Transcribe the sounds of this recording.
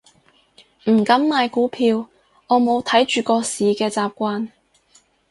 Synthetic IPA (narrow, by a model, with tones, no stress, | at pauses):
m̩˨˩kɐ˨˥mːaː˨˧jkuː˨˥pʰiː˧w | ŋɔː˨˧mo˨˧wt̪ʰɐ˨˥jt͡ʃyː˨kɔː˧siː˨kɛː˧t͡saː˨p̚kʷaː˧n